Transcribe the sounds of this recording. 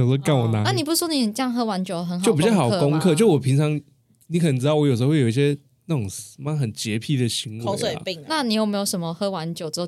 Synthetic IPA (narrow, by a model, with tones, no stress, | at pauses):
ə˨˩sɔ˥ka˥˩wɔ˨˩na˨˧˦na˥˨ni˨˩p̬u˧s̩˥˩wɔ˥ni˨˩xə˨˩ʈ͡ʂə˥jɑ˥˧ŋɦɤ˥wa˧˦nt͡ɕjo˨˩ʊ˩ə˧˦nt͡ɕo˥˨˩pu˧jɑ˨˩˧ko˦˥ŋkʰɤ˥˨t͡ɕo˥˩˥wɔ˨˩pʰi˧˥ŋt͡sʰɑ˧˦ŋ | ni˧˥kʰə˨˩nə˧nʈ͡ʂ̬̩˥d̪ɑ˥˩wɔ˧˦jo˨˩ʂə˧˥wjo˨i˧ɕjɛ˦ | na˥˩t͡so˨˩ŋsma˥˩xə˨˩nt͡ɕjɛ˧˦pʰi˥˩d̪ə˨˩ɕi˧˦ŋwḛ˧˦˧i˥˨ŋ˦na˥˨ni˨˩jo˨˩me˧˥jo˨˧ʊʂə˧˦nmə˧xɤ˥wa˧˦nt͡ɕjo˨ʊt͡s̩˧˥o˨˩